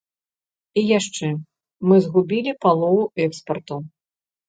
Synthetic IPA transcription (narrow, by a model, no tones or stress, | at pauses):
ijaʂt͡ʂɛ | mɨzɣubʲilʲipalˠɔvuʔɛkspɐrt̪u